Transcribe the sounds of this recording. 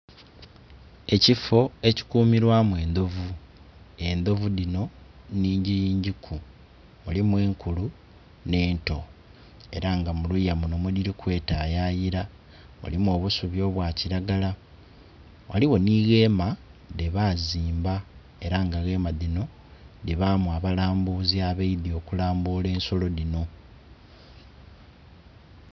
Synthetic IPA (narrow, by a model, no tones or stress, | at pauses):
e̞cifo̞e̞ci̥kuːmiɾwamwe̞ːnd̪o̞vu | e̞nd̪o̞vuðino̞ | niːɲɟijiːɲɟikʰu | mulimwe̞ːŋkulu | ne̞ːnto̞ | e̞̰ɾaŋɡamulujamuno̞muliɾikwe̞ːtaːjajiɾa | mṵlimwo̞ːβusuβjo̞ːβwaːciɾaɡala | wa̰liwo̞niɣe̞ːmaðeβaziːmba | e̞ɾaŋɡaɣe̞maðino̞ | diβamuaβalaːmbuziaβeiðio̞kulaːmbuːle̞ːnso̞lo̞ðino̞